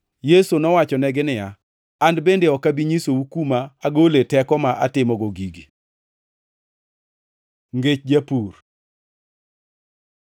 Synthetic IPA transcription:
jesonɔwat͡ʃɔnɛɡɪnɪja | andbendeɔkabiɲisoukumaaɡoletɛkɔmaʔatɪmɔɡoɡiɡi | ŋɡet͡ʃd͡ʒapur

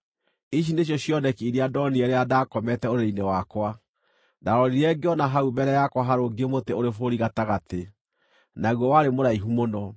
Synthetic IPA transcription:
iɕ̬ineɕ̬jɔɕjɔnɛkiiɾeadɔniɛɾeadaːkɔmɛtɛoɾeɾeinewakwa | daɾɔɾiɾɛɡeɔnaɦaubɛɾɛjakwaɦaɾoɡemoteoɾefoɾiɣataɣate | naɣwɔwaɾemoɾaiɦumonɔ

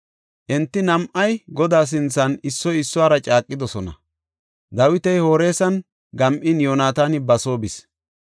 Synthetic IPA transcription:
ʔɛnt̪ːɪnɐmʔɐjɡɔd̪aːs̬ɪnt͡sːɐnɪsːɔjɪsːɔaːɾɐt͡ʃʼaːkʼːɪd̪ɔsɔnɐ̰ | d̪ɐwɪt̪ɛjho̞ːɾe̞ːsɐn | ɡɐmʔɪnjo̞ːnaːt̪aːnɪbɐso̞ːbɪs

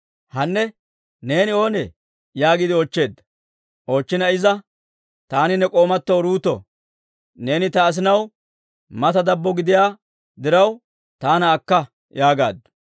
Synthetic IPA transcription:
hɐnːɛ | ne̞ːnɪo̞ːnɛ | jaːɡid̪ɪɔːt͡ʃːe̞ːd̪ːɐ̥ | ʔo̞ːt͡ʃːɪnɐɪzɐ | t̪aːnɪnɛkʼo̞ːmɐt̪ːɔɾuːt̪ːɔ̰ | ne̞ːnɪt̪ɐːs̬ɪnɐw | mɐt̪ɐd̪ɐbːɔɡɪd̪ɪjaː | d̪ɪɾɐw | t̪aːnɐːkːɐ | jaːɡaːd̪ːʊ̥

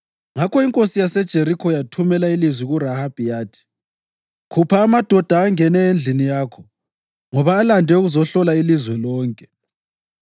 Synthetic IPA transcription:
ŋakʰɔiŋkʼosijasɛd̥ʒ̥ʱeɾikʰɔjatʰumɛlailizwiɣurahab̥ʱijaːtʰi̥ | kʰupʰaːmad̥ʱɔd̥ʱaːŋɛnɛend͡ɮʱinijaːkʰɔ | ŋɔβaːlandʱɛuɣuzɔɬɔlailizwɛlɔːŋkʼɛ

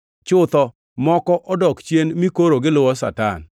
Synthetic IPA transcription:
t͡ʃʊt̪ɔ | mɔkɔʔɔdɔkt͡ʃjenmikoɾoɡɪlʊwɔsa̰ta̰n

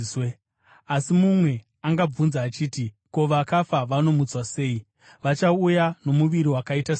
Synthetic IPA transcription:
e | asimumwe̞ | aŋɡab͡vunzaːt͡ʃiːti | ko̞ʋakafaʋano̞mut͡swase̞ːi | ʋat͡ʃaujanomuʋiɾiwakaitas

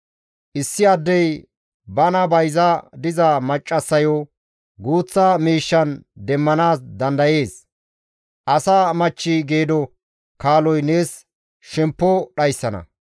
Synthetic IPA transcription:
ʔɪsːɪɐd̪ːɛj | bɐnɐbɐjzɐd̪ɪzɐmɐt͡ʃʼːɐsːɐjɔ | ɡuːt͡sːamiːʃːɐnd̪ɛmːɐnaːsd̪ɐnd̪ɐje̞ːs | ʔɐsaːmɐt͡ʃːɪɡe̞ːd̪ɔ | kaːlɔjne̞ːs | ʃɛmpːɔɗɐjsːɐnɐ̰

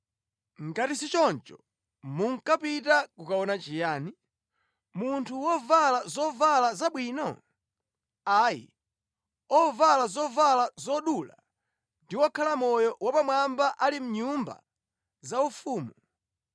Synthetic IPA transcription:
ŋɡatisit͡ʃɔnt͡ʃɔ̥ | muŋkapitakukaɔnat͡ʃijaːni | muntʰuwɔvalazɔvalazaɓwiːnɔ | ajḭ | ɔvalazɔvalazɔɗula̰ | ndiwɔkʰalamɔjɔwapamwambaʔalim̩ɲumba̰ | zaufuːmu

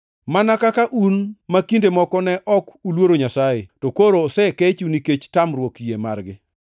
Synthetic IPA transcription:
manakakaʔunmakindemɔkɔnɛʔɔkulwoɾoɲasajetɔkoɾoːsɛkɛt͡ʃuniket͡ʃtamrwokjema̰rɡɪ

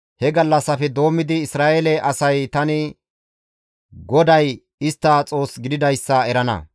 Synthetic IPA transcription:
hɛɡɐlːɐsɐfɛd̪o̞ːmːɪd̪ɪːsɾaːʔelɛʔɐsɐjt̪ɐnɪ | ɡɔd̪ɐj | ɪst̪ːat͡sʼo̞ːsɡɪd̪ɪd̪ɐjsːɐɛɾɐnɐ̰

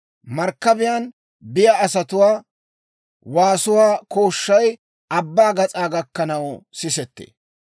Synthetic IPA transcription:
mɐɾkːɐbɪjan | bɪjaːsɐt̪ʊwaː | waːsʊwaːkoːʃːɐj | ɐbːaːɡɐt͡sʼaːɡɐkːɐnɐwsɪsɛt̪ːḛː

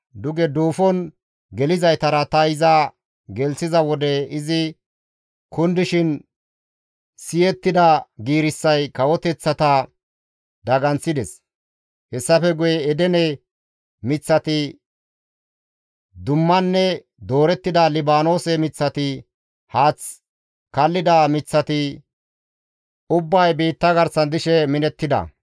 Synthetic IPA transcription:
d̪ʊɡɛd̪uːfɔn | ɡɛlɪzɐjt̪ɐɾɐt̪ɐɪza | ɡɛlsɪzɐwɔd̪ɛɪzɪ | kʊnd̪ɪʃɪn | sɪjɛt̪ːɪd̪ɐɡiːɾɪsːɐjkɐwɔt̪ɛt͡sːɐt̪ɐ | d̪ɐɡɐnt͡sːɪd̪ɛs | hɛsːɐfɛɡʊjɛːd̪ɛnɛ | mɪt͡sːɐt̪ɪ | d̪ʊmːɐnːɛ | d̪o̞ːɾɛt̪ːɪd̪ɐlɪbaːno̞ːsɛmɪt͡sːɐt̪ɪ | haːt͡s | kɐlːɪd̪ɐmɪt͡sːɐt̪ɪ | ʊbːɐjbiːt̪ːɐɡɐɾsɐnd̪ɪʃɛmɪnɛt̪ːɪd̪ɐ̰

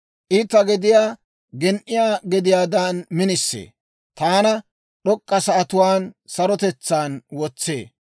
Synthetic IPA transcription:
ʔiːt̪ːɐɡɛd̪ɪjaː | ɡɛnʔɪjaːɡɛd̪ɪjaːd̪aːnmɪnɪsːḛː | t̪aːnɐ | ɗɔkʼːɐsɐːt̪ʊwaːnsɐɾɔt̪ɛt͡sːaːnwɔt͡sːḛː

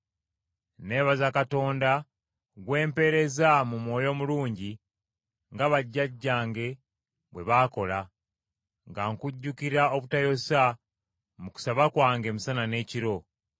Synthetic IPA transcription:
ne̞βazakato̞ːnda | ɡwe̞ːmpe̞ɾe̞zamumwo̞ːjo̞muluːɲɟi | ŋɡaβaɟːaɟːaːŋɡe̞ | βwe̞βaːko̞la | ŋɡaŋkuɟːukiɾao̞βutajo̞sa | muku̥saβakwaːŋɡe̞ːmusanane̞ːciɾo̞

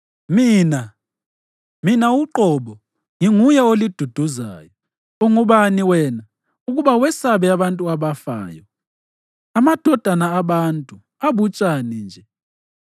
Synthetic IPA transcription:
miːna | minauǃɔβɔ | ŋiŋujɛolid̥ʱud̥ʱuza̰jɔ | oŋuβaniwɛna | uɣuβawɛsaβɛaβantʼuaβafa̰ːjɔ | amad̥ʱɔd̥ʱanaːβantʼu | aβut͡ʃʼanind͡ʒʱɛ

